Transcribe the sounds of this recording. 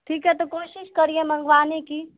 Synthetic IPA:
ʈʰiːkɦɛt̪okoːʃɪʃkɐɾiẽmə̃ŋɡʋaːnekiː

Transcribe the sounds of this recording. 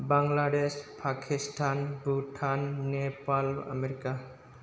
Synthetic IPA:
baŋlaɖespʰakʰisʈʰanbuʈʰanːepala̰meɾika

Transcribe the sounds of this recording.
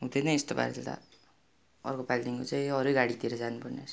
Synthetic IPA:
ɦud̪enʌj̃est̪oba̰ɾet̪a̰ | ʌ̰rkopalʈiŋkot͡saĩʌɾeɡaɽit̪iɾʌd͡zanupʌrneɾ

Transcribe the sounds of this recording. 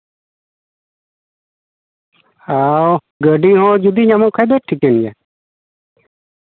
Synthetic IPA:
aw | ɡəɖiɦɔ̃d͡ʒud̪iɲamɔkʰajd̪ɔʈʰikɛnja

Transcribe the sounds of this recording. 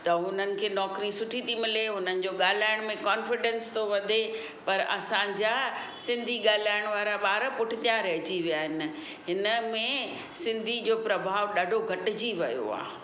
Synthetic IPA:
t̪ɐɦʊn̤ənɪ̆kʰeːnɔːkɾisʊʈʰit̪ʰimɪleɦʊnənɪ̆d͡ʑoːɠaːl̤aːɪɽ̃mẽkaːnfɪɖɛ̃nst̪ʰoʋɐd̪ʱe | pɐɾɐ̰sãd͡ʑaː | sɪ̃nd̪ʱiɠaːl̤aːɪɽ̃ʋaːɾaɓaːɾpʊʈʰɪt̪ijãɾɐɦɪt͡ɕiʋijaːɦɪnɪ̆ | ɦɪnə̆mẽ | sɪ̃nd̪ʱid͡ʑoːpɾɐbʱaːʋɗaːɖʱoɡʱɐʈɪ̆d͡ʑiʋɐ̰jo̰a̰ː

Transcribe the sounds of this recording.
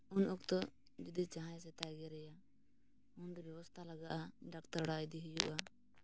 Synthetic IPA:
unʔɔkt̪ɔ | d͡ʒid̪it͡ʃaɦãjs̬ɛt̪aɡɛɾɛja | und̪ɔbjɛβɔst̪ʰalaɡaʔaɖakt̪aɾɽajd̪iɦujṵʔa

